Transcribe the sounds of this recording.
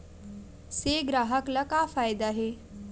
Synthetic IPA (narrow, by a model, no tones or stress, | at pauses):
seɡɾaɦəklakafajd̪aɦe